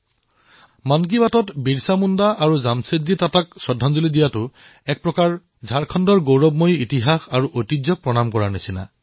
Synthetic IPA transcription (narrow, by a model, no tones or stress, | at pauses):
mank̬ibatɔtbiɹsamundaʔaɹuzamsezitataksɔdʱanzulidijatʊ | ɛk̚pɹɔkaɹ | zʱaɹkʰɔndɔɹɡowɹɔb̚mojitiɦaxaɹuʔotizɔk̚pɹɔnamkɔɹaɹnisina̰